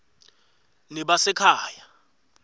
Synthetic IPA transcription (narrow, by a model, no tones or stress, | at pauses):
niɓasɛkʰaːja